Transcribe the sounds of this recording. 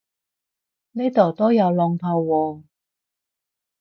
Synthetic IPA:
ne˥t̪o˨˩wt̪oː˥jɐ˨˧wlɔː˨˧ŋp̪ʰɐ˧wwɔː˨˧

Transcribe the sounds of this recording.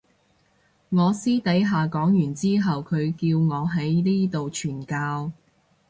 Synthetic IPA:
ŋɔː˨˧siː˥t̪ɐ˨˥jɦaː˨kɔː˨˥ŋjyː˨˩nt͡siː˥ɦɐ˨wkʰɵ˨˧ɥkiː˧wŋɔː˨˧ɦɐ˨˥jliː˥t̪o˨wt͡ʃʰyː˨˩nkaː˧w

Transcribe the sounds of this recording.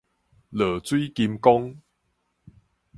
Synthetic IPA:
lə˨˩t͡swi˦ki˧mkɔ˦ŋ

